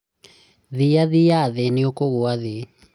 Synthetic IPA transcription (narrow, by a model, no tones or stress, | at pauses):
ðijaðijaðeniokoɣoaðe